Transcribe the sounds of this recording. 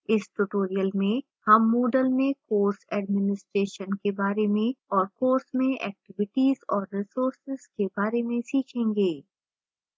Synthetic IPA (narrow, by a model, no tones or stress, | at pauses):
ɪsʈuʈoːɾijəlmẽ | hɐmːoːɖəlmẽkoːɾsɛɖmɪnɪsʈɾeːʃənkebaːɾemẽɔːɾkoːɾsmẽʔɛ̰ːk̚ʈɪʋɪʈiːzɔːɾːɪsoːɾsɪz̥kebaːɾemẽsiːt͡ʃʰẽːŋɡeː